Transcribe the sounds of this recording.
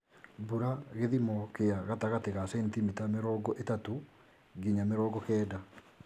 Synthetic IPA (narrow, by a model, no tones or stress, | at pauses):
buɾaɣeðimɔkeaɣataɣateɣasɛntimitameɾɔːɡɔʔetato | ɡiɲameɾɔːɡɔkɛːda